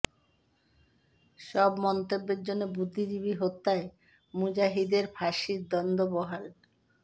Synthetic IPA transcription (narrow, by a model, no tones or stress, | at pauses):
ʃɔbmɔnt̪obːeɾd͡ʑonːobud̪ʱːid͡ʑibiɦot̪ːae | mud͡ʑaɦid̪eɾbʱaʃiɾd̪ɔnd̪ʱobɔɦal